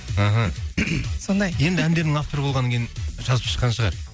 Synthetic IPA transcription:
əɦə | sond̪ɑjje̞nd̪ɪænd̪e̞ɾd̪ɪŋaft̪o̞ɾəbo̞lˠʁɑnːɑŋkʰʲejɪnʒɑzəpʃə̥qːɑnʃəʁɑ̰ɾ

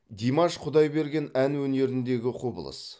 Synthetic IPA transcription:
d̪ʲijmɑʃqʰʊd̪ɑjbe̞ɾɡʲe̞nænwɵne̞ɾɪnd̪e̞ɡʲɪqʰobə̰lˠə̰s

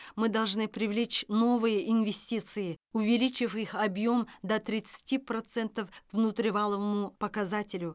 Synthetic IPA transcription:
mɨd̪ɐlˠʐnɨpɾʲɪvlʲet͡ɕno̞vɨjəʔɪnvʲɪsʲtʲit̪sɨjɪʊvʲɪlʲit͡ɕɪfixɐbjo̞md̪ɐt̪ɾʲɪt̪sɨ̥tʲipɾɐt̪sɛnt̪əfvnʊt̪ɾʲɪvalˠəvəmʊpəkɐzatʲɪlʲʊ

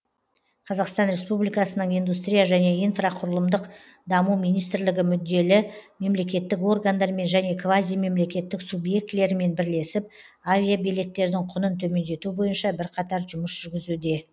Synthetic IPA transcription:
qʰɑzɑqst̪ɑnɾe̞spublijkɑsənəɴijnd̪ust̪ɾʲijaʒæne̞ijnfraqʰʊɾəlˠəmd̪əq | d̪ɑmumijnijst̪ɪɾlɪɡʲɪmʏd̪ːe̞lɪme̞mle̞kʲe̞t̪ːɪko̞rɡand̪ɑɾme̞nʒæne̞kʰvazijme̞mle̞kʲe̞t̪ːɪksubje̞k̚t̪le̞ɾɪme̞nbɪɾle̞sɪp̚ | avʲijabejle̞t̪ːe̞ɾd̪ɪŋqʰʊnənt̪ʰɵme̞nd̪e̞t̪ubo̞jənʃɑbɪɾqʰɑt̪ɑɾʒʊməsʒ̥ʏɾɡʲɪzud̪e̞

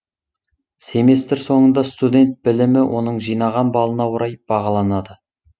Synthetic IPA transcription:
semest̪ɪɾso̞ɴənd̪ɑst̪ud̪ʲe̞nt̪̚bɪlɪmɪwʔo̞̰nəɴʒijnɑʁɑnbɑlˠənɑwəɾʔɑjb̥ɑʁɑlˠɑnɑd̪ə

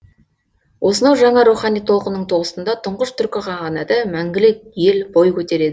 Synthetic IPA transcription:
wʔo̞sənɑwʒɑɴɑɾuχɑnijt̪ʰo̞lˠqənəɴt̪ʰo̞ʁəsənd̪ɑt̪ʰʊɴʁəʃt̪ʰʏɾkʲɪqʰɑʁɑnæd̪əmæŋɡʲɪlɪk̚jelbojkʲʰɵt̪e̞ɾe̞d̪ɪ

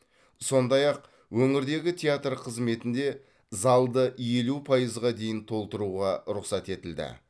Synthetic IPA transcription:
so̞nd̪ɑjɑq | wɵŋɪɾd̪e̞ɡʲɪt̪ʲʰeat̪rqʰəzme̞t̪ɪnd̪e̞ | zɑlˠd̪əje̞lupʰɑjəzʁɑd̪e̞jɪnt̪ʰo̞lˠt̪əɾuʁɑɾʊqsɑt̪e̞t̪ɪld̪ɪ̰

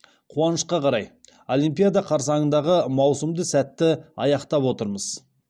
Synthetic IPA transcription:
qʰuɑnəʃqɑqʰɑɾɑj | olʲijmpijad̪ɑqʰɑɾsɑɴənd̪ɑʁəmɑwsəmd̪əsæt̪ːɪɑ̰jɑqt̪ɑpwo̞t̪əɾməz̥

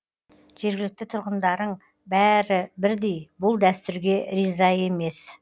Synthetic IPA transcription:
ʒ̥e̞ɾɡʲɪlɪk̚t̪ɪt̪ʰʊɾʁənd̪ɑɾəɴ | bæɾɪbɪɾd̪e̞jbʊlˠd̪æst̪ʏɾɡʲe̞ɾizɑje̞me̞s

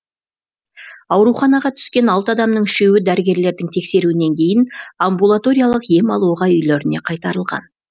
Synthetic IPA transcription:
ɑwɾuχɑnɑʁɑt̪ʰʏ̥skʲe̞nɑlˠt̪əɑd̪ɑmnəɴʃewɪd̪æɾɪɡʲe̞ɾle̞ɾd̪ɪŋt̪ʰe̞kse̞ɾuɪne̞ŋkʲʰe̞jɪnambulˠat̪o̞ɾʲijalˠəqje̞mɑlˠuʁɑʏjleɾɪne̞qʰɑjt̪ɑɾəlˠʁɑ̰n

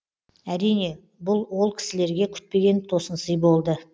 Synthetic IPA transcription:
æɾijne̞ | bʊlˠwo̞lˠkʲʰɪ̥sɪle̞ɾɡʲe̞kʲʰʏ̥t̪̚pe̞ɡʲe̞nt̪ʰo̞sənsəjbo̞lˠd̪ə

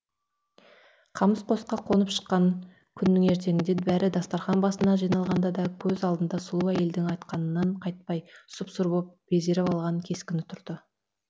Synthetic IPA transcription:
qʰɑməsqʰo̞sqɑqʰo̞nəpʃə̥qːɑŋ | kʲʰʏnːɪŋe̞ɾt̪̬e̞ɡʲɪnd̪ebæɾɪd̪ɑst̪ɑɾχɑnbɑsənɑʒijnɑlˠʁɑnd̪ɑd̪ɑkʲʰɵzɑlˠd̪ənd̪ɑsʊlˠuæje̞ld̪ɪŋɑjt̪qɑnənːɑɴqʰɑjt̪̚pɑjsʊpsʊɾbop̚b̥e̞ze̞ɾɪpɑlˠʁɑŋkʲʰe̞skʲɪnɪt̪ʰʊɾd̪̥ə

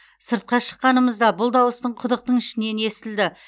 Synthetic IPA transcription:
səɾt̪̚qɑʃə̥qːɑnəməzd̪ɑbʊlˠd̪ɑwəst̪əɴqʰʊd̪əq̚t̪əɴɪʃɪne̞ne̞st̪ɪld̪ɪ

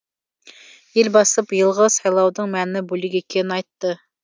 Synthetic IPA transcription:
jilbɑsɨpjɨlˠʁəsɑjlˠɑwd̪ɨŋmɛnːɪbulɪɡʲekʲʰenɪɑjt̪ːɨ

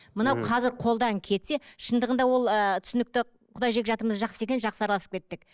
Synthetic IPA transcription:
mənɑwqʰɑzɪɾqʰo̞lˠd̪ɑŋkʲʰe̞t̪se̞ʃənd̪əʁənd̪ɑwo̞lˠət̪ʰʏ̥sɪnɪk̚t̪ɪ | qʰʊd̪ɑjʒe̞kʲʒɑt̪əməzʒɑqsəe̞k̬ʲenʒɑqsəɑɾɑlˠɑsəp̚kʲe̞t̪ːɪk

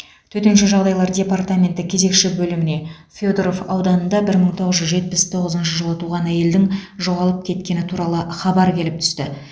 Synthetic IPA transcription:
t̪ʰɵt̪enʃɪʒɑʁd̪ɑjlˠɑɾdʲe̞part̪amʲe̞nt̪ɪkʲʰe̞ze̞kʃɪbɵlɪmɪne̞ | fʲod̪ɾofɑwd̪ɑnənd̪ɑbɪɾməɴt̪ʰo̞ʁəzʒʏzʒe̞t̪̚pɪst̪ʰo̞ʁəzənʃəʒəlˠət̪ʰuʁɑnæje̞ld̪ɪŋʒo̞ʁɑlˠəp̚kʲʰe̞t̪kʲe̞nɪt̪ʰuɾɑlˠəχɑbɑɾkʲʰe̞lɪpt̪ʰʏ̥st̪ɪ

